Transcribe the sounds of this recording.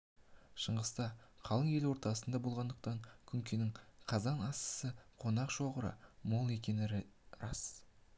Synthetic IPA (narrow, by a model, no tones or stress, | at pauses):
ʃəɴʁəst̪ɑqʰɑlˠəɴje̞lwo̞ɾt̪ɑsənd̪ɑbolˠʁɑnd̪əq̚t̪ɑɴkʲʰʏŋkʲenɪŋqʰɑzɑnɑsə̥səqʰo̞nɑqʃo̞ʁəɾə̰molˠe̞kʲe̞nɪrɑ̰s